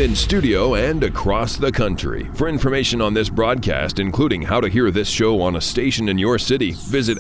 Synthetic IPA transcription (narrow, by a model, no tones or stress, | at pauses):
ɪ̃nstʉɾioʊɨ̃nɨkʰɹ̥ɔsðɨkʰʌ̃nt͡ʃɹ̥ḭfə˞ɪ̃nfə˞meɪʃɨ̃nə̃nðɪsb̥ɹɔd̚kʰæ̰stɨ̃nkʰl̥uɾɪ̃ŋhaʊɾɨɦiɹðɪsʃoʊə̃nəsteɪʃɨ̃nɨ̃njə˞sɪɾivɪzɨt